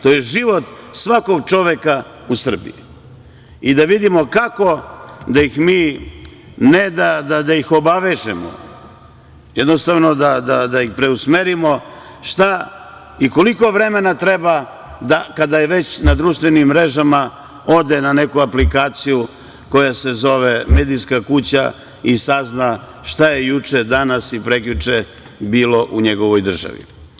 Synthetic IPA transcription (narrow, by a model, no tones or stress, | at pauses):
t̪ojeʒiʋo̞t̪sʋako̞ɡt͡ʃo̞ʋeka | usr̩bḭji | id̪aʋid̪imo̞kako̞d̪ajixmiː | ned̪ad̪ad̪ajixo̞baʋe̞ʒḛmo̰ | jed̪nost̪aʋno̞d̪ad̪ad̪ajixpɾe̞usmeɾimo̞ | ʃt̪a | iko̞liko̞ʋɾe̞me̞nat̪ɾe̞ba | d̪akad̪ajeʋe̞t͡ɕnad̪ɾuːʃt̪ʋenimːɾe̞ʒama | o̞d̪e̞nane̞kuaplikaːt̪siju | ko̞jase̞zo̞ʋeme̞ːd̪ijskakut͡ɕa̰ | isazna | ʃt̪aje̞jut͡ʂed̪anasipɾe̞klut͡ʂe | biːlo̞ʔuɲe̞ɡo̞ʋo̞jd̪r̩ʒa̰ʋḭ